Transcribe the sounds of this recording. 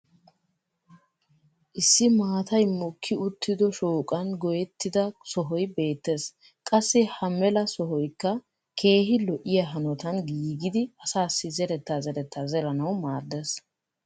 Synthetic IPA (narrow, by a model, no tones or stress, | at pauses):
ʔɪsːɪmaːt̪ɐjmʊkʰːɪʊt̪ːɪd̪ɔʃoːkʼɐnɡɔjɛt̪ːɪd̪ɐsɔɦɔjbe̞ːt̪ːes | kʼɐsːɪhɐmɛlɐsɔɦɔjkːɐ | kʰe̞ːɦɪlɔʔɪjɐɦɐnɔt̪ɐnɡiːɡɪd̪ɪɐsaːsːɪzɛɾɛt̪ːazɛɾɛt̪ːazɛlɐnɐwmaːɾd̪ɛs